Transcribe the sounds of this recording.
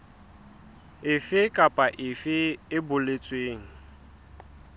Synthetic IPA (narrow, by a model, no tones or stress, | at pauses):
ɪfɪkʼapʼaʔɪfɪɪbʊlet͡sʼweːŋ̩